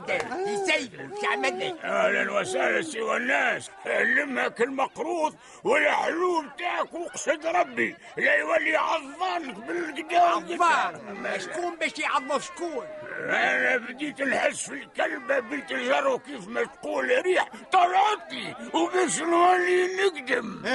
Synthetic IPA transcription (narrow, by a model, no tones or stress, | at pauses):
d̪æisæjʃʕmæd̪niʔælænwæsælæsəwænːæsʕlːəmhækəlmɑqɾuːðˤ | wəlːaħlubt̪aʕəkwʊqsəd̪ɾˤɑbːi | læjwælːiʕɑðˤːɑnəkbələɡd̪æɑʃkuːnbæʃiʕɑðˤːuʃkuːlʔænæbd̪it̪nħəsfilkælbabit̪əʒɑrˤːukifmæt̪quːlɾiːħt̪ˤɑlɑt̪ˤiwbæʃənwælinəɡd̪əm